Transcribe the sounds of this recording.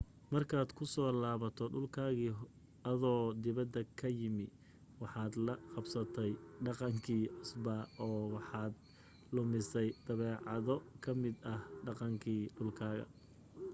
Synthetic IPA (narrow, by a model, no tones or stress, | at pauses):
mɐrkʰaːd̪kʰʊsɔːlaːβɐt̪ʰɔɖʊlkʰaːɣi | ɐðɔːd̪ɪβɐd̪ɐkʰɐjɪmɪ | wɑħɑːd̪lɐqɑbsɐt̪ʰɛjɖɑqɑŋkʰiːʕʊsbɐʔɔːwɑħɑːd̪ | lʊmɪsɛjd̪̥ɐβɛːʕɑ̰ðɔkʰɐmɪd̪ɐhɖɑqɑŋkʰiːɖʊlkʰaːɣɐ̰